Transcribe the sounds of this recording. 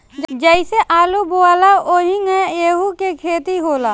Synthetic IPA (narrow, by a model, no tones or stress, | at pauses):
d͡ʒɛɪseʔaːluboaːlaoːɦiŋɛjeːɦukekʰeːt̪iɦoːlaː